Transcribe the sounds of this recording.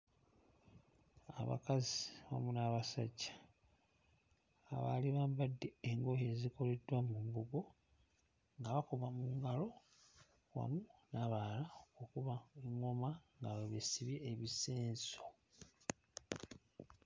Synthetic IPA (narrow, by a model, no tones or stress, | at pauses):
a̰βa̰kaziβa̰munaβasa̰ɟːḁ | βa̰liβaːmbadːe̞eŋɡoje̞ziko̞le̞dwamumbuɡo̞ | ŋɡaβakoβamuŋɡalo̞ | wa̰munaβalaokuβaeŋːo̞maŋɡaweβisiβjeːβise̞ːnso̞